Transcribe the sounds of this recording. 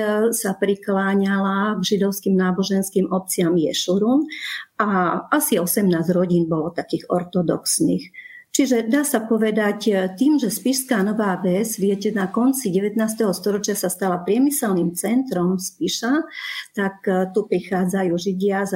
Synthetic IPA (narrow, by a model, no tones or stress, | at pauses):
sapɾiklaːɲalaɡʒid̪ɔʊskiːmnaːbɔʒɛnskiːmʔɔp̚t͡sɪamjɛ̰ʃuɾunaʔasiɔsɛmnaːzɾɔɟiːnbɔlɔt̪akiːɣɔ̰ɾt̪ɔd̪ɔ̰ksniːx | t͡ʃiʒɛd̪aːsapɔʋɛd̪act̪iːmʒɛspiʃskaːnɔʋaːʋɛzʋɪɛcɛnakɔnt͡siɟɛʋɛt̪naːst̪ɛɦɔst̪ɔɾɔt͡ʃɪasast̪alapɾɪɛmisɛlnimt͡sɛnt̪ɾɔmspiʃat̪akt̪upɾixaːd͡zajuːʒiɟɪaz